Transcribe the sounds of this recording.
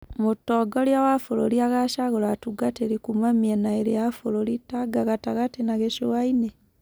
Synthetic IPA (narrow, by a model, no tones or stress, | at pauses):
mutːoɡoljawafuloliaɣaʃaɣolatuɡateɾikumamienaeliafulolitaɡaɣataɣatenaɣeʃowaine